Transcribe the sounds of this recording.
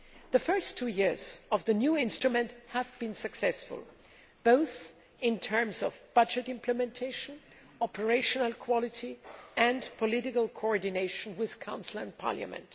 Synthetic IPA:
ðəfɜ˞stʰːujɪɹz̥ʌvðɨnjuɪ̃nstɹ̥ɨmɨ̃nthəvbɨ̃nsɨksɛsfʊ̰lˠ | b̥oʊθ | ɪ̃ntʰɜ̃˞mzʌ̰vb̥ʌd͡ʒɨɾɪ̃mpʰləmɛ̃ntʰeɪʃə̃n | ɔpʰə˞eɪʃənəl̩ˠkʰw̥ɑlˠɪtiɨ̃npʰɔlɪɾɪkəlˠkʰoɔɹdɪneɪʃə̃nwɪð̥kʰãʊ̃nsl̩ə̰̃npʰɑ̰ɹlja̰mɨ̰̃nt

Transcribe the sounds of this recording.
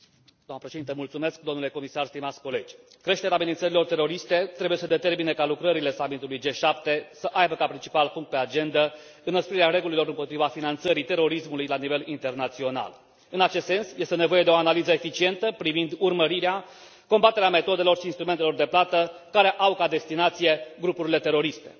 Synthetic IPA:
d̪oamnəpɾeʃed̪int̪əmult̪sume̞sk̚d̪o̞mnule̞ko̞misarst̪imat̪sʲko̞le̞d͡ʒʲ | kɾe̞ʃt̪eɾeaːmenint̪səɾilo̞rt̪e̞ɾo̞ɾist̪e̞t̪ɾe̞buje̞səd̪e̞t̪e̞rminekalukɾəɾile̞samit̪ulujd͡ʒe̞ʃap̚t̪e̞səʔajbəkapɾint͡ʃi̥palpuŋk̚t̪̚pe̞ad͡ʒe̞nd̪ə | ɨnəspɾiɾeaɾe̞ɡulilo̞ɾɨnmpo̞t̪ɾivafinant̪səɾit̪e̞ɾo̞ɾismulujlanive̞lint̪e̞rnat̪sio̞na̰l | ɨnat͡ʃe̞st̪se̞nsjest̪e̞ne̞vo̞je̞d̪e̞o̞analizəefit͡ʃie̞nt̪əpɾivind̪urməɾiɾea | ko̞mbat̪e̞ɾeame̞t̪o̞d̪e̞lo̞rʃiːnst̪ɾument̪elo̞rd̪e̞plat̪əkaɾe̞ʔawkad̪e̞st̪inat̪sije̞ɡɾupuɾile̞t̪e̞ɾo̞ɾist̪e̞̰

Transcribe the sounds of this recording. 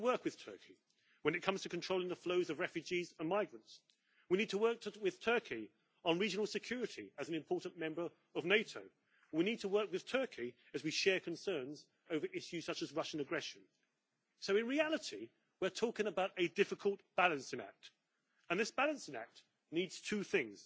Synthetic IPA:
əwɜˑ˞kwɨð̥tʰɜ̰ˑ˞kʰi | wə̃nɨt̚kʰʌ̃mz̥tʰəkʰn̩tʰɹ̥oʊlɪ̃nðəfloʊzʌvɹɛfjʉd͡ʒizə̃nmaɪɡɹə̃nts | winiːd̚tʰəwɜˑ˞k̚tʰəwɪð̥tʰɜˑ˞kʰi | ə̃nɹid͡ʒɨnl̩ˠsɨkʰj̥ʊɹɨɾiəzn̩ɨ̃mpʰɔˑʔn̩mɛ̃mbə˞ | əvneɪtʰoʊ | winid̚tʰəwɜˑ˞kwɨð̥tʰɜˑ˞kʰi | ɨzwiʃɛɹkʰə̃n̩sɜ̃˞nz | oʊvə˞ʔɪʃjʉz̥sʌt͡ʃəzɹʌʃə̃nəɡɹɛʃɨ̃n | soʊɨ̃nɹiælˠəti | wɪətʰɔˑkɪ̃ŋəbaʊɾɨdɪfɨkʰəlˠtb̥alˠə̃nsɪ̃næ̰k̚t | ə̃nðɪsb̥ælˠə̃nsɪ̃næ̰k̚t | nidz̥tʰʉθɪ̃ŋz̥

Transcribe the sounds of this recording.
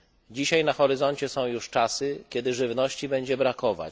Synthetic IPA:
d͡ʑiɕajnaxɔɾɘzɔɲt͡ɕɛsɔ̃w̃juʂt͡ʂasɘkʲɛd̪ɘʐɘvn̪ɔɕt͡ɕibɛɲd͡ʑɛbɾakɔva̰t͡ɕ

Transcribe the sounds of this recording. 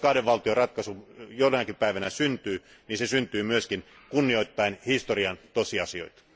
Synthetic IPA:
kɑhdeʋʋɑlt̪iorɑt̪kɑsujolːenɑkipæiʋænæsynt̪yː | ninsesynt̪yːmyøskin | kunːio̞it̪ːɑinhist̪oriɑnt̪osiɑsio̞̰it̪

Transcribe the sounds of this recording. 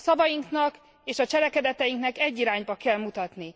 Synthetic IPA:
sɒvɒjiŋknɒk | eːʃɒt͡ʃɛlɛkɛd̪ɛt̪ɛjiŋknɛkɛɟːiɾaːɲbɒkɛlmut̪ɒt̪ni

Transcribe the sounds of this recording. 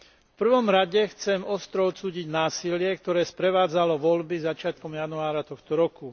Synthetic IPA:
fpr̩ʋɔmɾaɟɛxt͡sɛmɔst̪ɾɔɔt̪suːɟiɟnaːsilɪɛk̚t̪ɔɾɛːspɾɛʋaːd͡zalɔʋɔlbizat͡ʃɪat̪̚kɔmjanuaːɾat̪ɔxt̪ɔɾɔku

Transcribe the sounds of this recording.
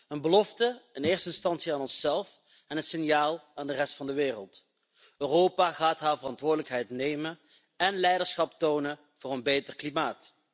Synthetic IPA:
ənbəlɔftəɪnɪːrstəɪnstɑntsiaːnɔnsɛlˠf | ɛnənsɪnjaːlˠaːndərɛstfɑndəʋɪːrəlˠt | øːrowpaːɣaːtɦaːɹvərɑntʋʊːɹdələkɦɛjtnejmən | ɛnlɛjdəɹsχɑptownə | v̥ʊːrənbejtərklimaːt

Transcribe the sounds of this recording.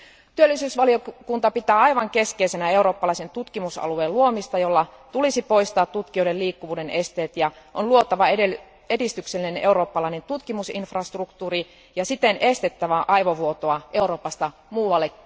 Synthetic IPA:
t̪yølːˑisyːsʋɑliokunt̪ɑpit̪æːɑjʋɑŋke̞skeise̞næe̞uɾoːpːɑlɑisent̪ut̪kimusɑ̰lueːluo̞mist̪ɑjo̞lːɑt̪ulisipo̞ijst̪ɑːt̪ːut̪kijojde̞liːkːuʋuːde̞ne̞st̪e̞ːt̪jɑ | ʔonluot̪ːˑɑʋɑee | e̞dist̪ykselːinene̞uɾo̞ːpːɑlɑine̞nt̪ut̪kimusinfrɑst̪rukt̪uːri | jɑsit̪enʔe̞st̪e̞t̪ːæʋæʔɑiʋoʋuot̪oɑʔe̞uɾo̞ːpɑst̪ɑmuːʋɑlːe

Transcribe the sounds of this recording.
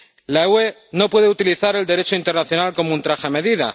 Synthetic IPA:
lawe̞no̞pwe̞ð̞e̞ut̪iliθaɾe̞ld̪e̞ɾe̞t͡ʃoint̪e̞ɾnaθjo̞nalko̞mount̪ɾaxeame̞ðiða̰

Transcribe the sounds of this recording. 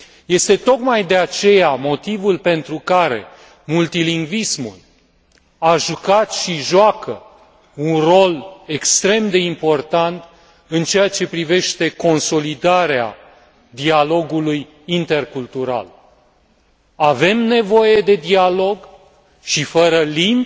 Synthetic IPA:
je̞st̪e̞t̪o̞kmajd̪e̞at͡ʃe̞jamo̞t̪ivulpe̞nt̪ɾukaɾe̞̰ | mult̪iliŋɡvismṵl | aʒukat̪ʃiʒwakə | unro̞le̞kst̪ɾe̞md̪e̞impo̞rt̪ant̪ | ɨnt͡ʃe̞jat͡ʃe̞pɾive̞ʃt̪e̞ko̞nso̞lid̪aɾea̰ | d̪ialo̞ɡuluj | int̪e̞rkult̪uɾa̰l | ave̞mne̞vo̞je̞d̪e̞d̪ialo̞ɡ | ʃifəɾəlimp

